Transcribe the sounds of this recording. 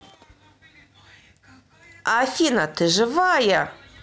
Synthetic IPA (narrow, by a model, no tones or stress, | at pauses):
afinatʰɨʒɨvaja